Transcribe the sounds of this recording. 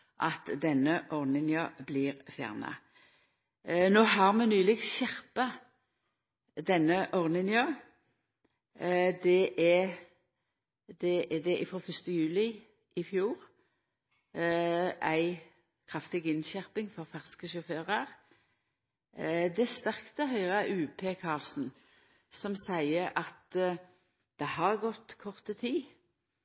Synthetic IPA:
ʔɑt̪d̪ɛnəʔɔʁnɪnjəblɪːʁfjæ̰ːʁnɑ̰ | noːɦɑʁmɛnʉːlɪɡsʃɛʁpɑ | d̪ɛnːəʔɔʁnɪnjøː | d̪ɛʔɛ | d̪ɛʔd̪ɛʔɪfʁoːfœst̪əjʉːlɪ | ɪfjuːʁ | æɪ | kʰʁɑft̪ɪɡɪnʃæʁpɪŋfɔʁfæʁskəʃɔføːʁəʁ | d̪ɛst̪æʁkt̪ɛhœʏʁəɑʔʉːpʰeːkʰɑlsn̩ | sɔmsæɪəʔɑt̪ | d̪̥ɛhɑʁɡɔt̪ːkʰɔʁt̪ət̪ʰiː

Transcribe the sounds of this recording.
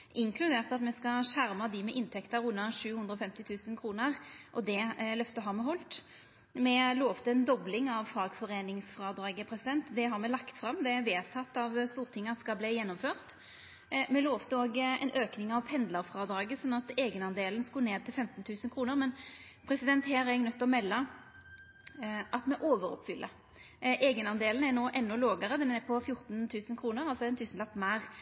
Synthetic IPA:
ʔɪŋkʰlʉd̪eːʁt̪ɑt̪mɛskɑʂæʁmɑd̪ɪmɛʔɪnt̪ʰɛkt̪əɾʉnːəʂʉːhʉnd̪ɾəɔfɛmt̪ɪt̪ʰʉːsənkʰɾuːnəʁʔɔd̪ɛlœft̪əɦɑmɛɦɔlt̪ | mɛloːʋt̪əɛnd̪ɔblɪŋɑʋfɑːɡfɔʁeːnɪŋsfʁɑːd̪ɾɑːɡəpʰɾɛsɪd̪ɛnt̪d̪ɛɦɑɾmɛlɑkt̪fɾɑmːd̪ɛʋeːt̪ʰɑt̪ːɑʋst̪uːʁt̪ʰɪŋːɑskɑbleːjɛnːɔmføːʁt̪ | mɛloːʋt̪əoːɡɛ̰nʔøːknɪŋɑʋpʰɛnd̪ləɾfɾɑːd̪ɾɑːɡəsɔnːɑt̪eːɡənɑnd̪eːlənskuːneːd̪̚t̪ʰɪlfɛmt̪nt̪ʰʉːsənkʰʁuːnəʁmɛnpʰɾɛsɪd̪ɛnt̪hæːɾæɾɛɡnœt̪ːɔmɛlːə | ʔɑt̪mɛʔoːʋəɾɔ̰pfʏlʔə | ʔeːɡənɑnd̪eːlən̩æɾnoːʔɛnːʊloːɡəɾəd̪ɛnɛpʰɔfjʊʁt̪nt̪ʰʉːsənkʰɾuːnəʁɑlsɔɛnt̪ʰʉːsənlɑk̚t̪mæːʁ

